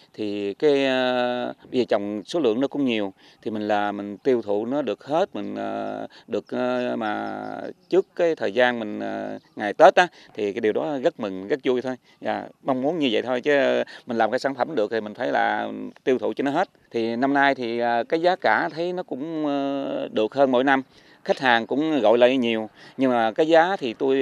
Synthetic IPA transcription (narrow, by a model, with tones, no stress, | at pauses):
t̪ʰi˨˩kaː˨˦jə˧ɓə˧jzəː˨˩t͡ɕɔ˨˩wŋ͡mso˨˦lɨ̰˧˨əŋnɔ˨˦kʊ̰˧˥ŋ͡mɲi˨˩əw | t̪ʰi˨˩mï˨˩ŋ̟laː˨˩mï˨˩ŋ̟t̪i˧əwt̪ʰṵ˧˨nɔ˨˦ɗɨ˨˩ək̚he˦˥t̚mï˨˩ŋ̟ə̰ː˨˩ɗɨ˨˩ək̚əː˨˩maː˨˩t͡ɕɨ˦˥əkːaː˨˦jt̪ʰəː˨˩jzaː˧nmï˨˩ŋ̟əː˨˩ŋaː˨˩jt̪e˦˥t̚ʔaː˨˦t̪ʰi˨˩kaː˨˦ɗi˨˩wɗɔ˨˦ɣə˦˥t̚mï˨˩ŋ̟ɣə˦˥t̚zu˧jt̪ʰo˧j | za̰ː˨˩ma˧wŋ͡mmu˨˦ənɲɨ˧və̰˧˨jt̪ʰo˧jt͡ɕə˨˦mi˨˩ŋ̟laː˨˩mkaː˨˦saː˧˩nfə˧˩mɗɨ˨˩ək̚t̪i˨˩mï˨˩ŋ̟t̪ʰə˨˦jla̰ː˨˩t̪i˧wt̪ʰṵ˧˨t͡ɕɔ˧nɔ˨˦ɦe˦˥t̚t̪ʰi˨˩na˧mnaː˧jt̪ʰi˨˩ə˨˩kaː˨˦jzaː˨˦kaː˧˩t̪ʰə˨˦jnɔ˨˦kʊ̰˧˥ŋ͡m | ɗɨ˨˩ək̚həː˧nmo̰˧˥˦jna˧m | xa˦˥k̟̚haː˨˩ŋkʊ̰˧˥ŋ͡mɣɔ̰˧˨jlə̰ː˧˨ɲi˨˩əwɲɨ˧ŋmaː˨˩kaː˨˦jzaː˨˦t̪ʰi˨˩t̪u˧j